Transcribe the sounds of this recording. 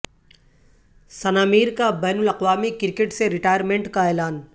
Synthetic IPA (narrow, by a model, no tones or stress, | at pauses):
sɐnaːmiːɾkabɛːnʊlɐqwaːmikɪɾkeʈseɾɪʈaːjəɾmẽɳʈkaeːlaːn